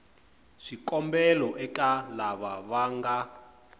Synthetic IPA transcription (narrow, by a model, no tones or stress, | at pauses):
ʂikʼɔmbɛlɔʔɛkʼalaβaβaŋɡa